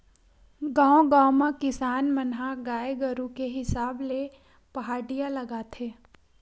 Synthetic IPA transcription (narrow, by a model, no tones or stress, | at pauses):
ɡãːõɡãːomãkɪsaːnmənɦaɡaːeɡəɾũkeɦɪsaːble | pɐɦaːɖijalɐɡaːt̪ʰeː